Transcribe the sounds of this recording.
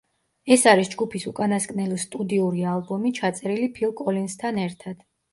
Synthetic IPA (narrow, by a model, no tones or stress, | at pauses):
ɛsaɾisd͡ʒɡupʰisukʼanaskʼnɛlɔst̪ʼud̪iuɾialˠbɔmit͡ʃʰat̪sʼɛɾilipʰilˠkʼɔlinst̪ʰanɛɾt̪ʰad̪̥